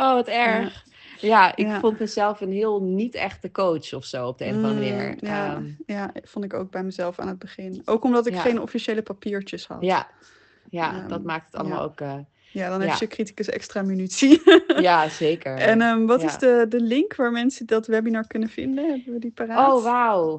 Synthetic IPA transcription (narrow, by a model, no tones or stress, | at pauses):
owʋɑtɛɹχ | jaʔɪkːfɔntməzɛlˠfənɦɪːlˠnitɛχtəkowt͡ʃɔfsowɔp̚dḛɔnənɪjajafɔntɪko̰wɡ̚bɛjməzɛlˠfa̰ːnɦəd̚bəχɪnʔowkɔmdɑtɪkχejnɔ̰fiʃejləpapiːɹt͡ʃəshɑ̰tj | jaadɑt̚maːk̚tətɑ̰ləma̰lˠo̰kə | jaːdɑnɦɛjəkriti̥kəsɛ̰kstraːmynytsijazejkəɹɛnəʋɑtɪzdədəlɪŋkʋaːɹmɛnsədɑtʋɛbinaːɹkɵnəvɪ̰ndənɦɛbəʋədipaːraoʋaw